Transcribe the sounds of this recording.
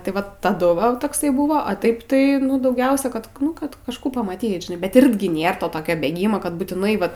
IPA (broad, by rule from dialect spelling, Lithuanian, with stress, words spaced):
tɐɪ ˈʋɐt tɐˈdʊ ʋɐ tɐkˈsɐɪ ˈbuːʋoː ɐ ˈtɐɪp tɐɪ ˈnʊ dɐʊˈɡʲɛʊsʲɛ kɐt ˈnʊ kɐt kɐʃˈkuː pɐmɐˈtʲiːt ʒʲɪˈnɐɪ bʲɛt ˈɪrʲɡʲɪ ˈnʲeːr toːˈtoːkʲoː bʲeːɡʲɪmɐ kɐt buːtʲɪˈnɐɪ ˈʋɐt